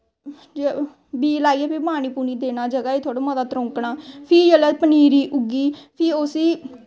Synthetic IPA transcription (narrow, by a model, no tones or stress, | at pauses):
d͡ʒ | biːlaːiːɛːpʰɪpaːñiːpuːniːd̪eːnaːd͡ʒəɡaːeːt̪ʰoaːɽoːmãd̪aːt̪ɾõːŋkɳaːpʰɪːd͡ʒəlɛːpəniːɾiːʔʊɡiːpʰɪːosiː